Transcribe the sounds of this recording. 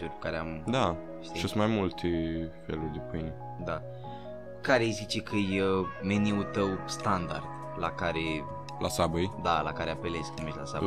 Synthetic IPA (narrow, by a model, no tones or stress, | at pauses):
uɾʲpu̥kaɾeamd̪a | ʃt̪iʃusmajmult̪ʰefḛlurʲd̪eopini | d̪a | kaɾejzit͡ʃekʰəjemeniut̪əwst̪and̪a̰rd̪̥ | lakaɾe | lasabɨjd̪alakaɾeapele̞sknumesʲlasa̰b